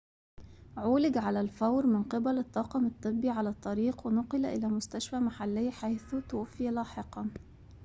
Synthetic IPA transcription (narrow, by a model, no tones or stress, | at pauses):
ʕʊːlɪɡʕalælfawɾmɪnqɨbælɪt̪ˤːɑːqɑmɨt̪ˤːɨbːiʕalæt̪ˤːɑɾiːqwɪnʊqɨlʔɪlæːmʊst̪aʃfæːmaħalːɪjːħajθʊt̪ʊwafːilɑːħɪqɑ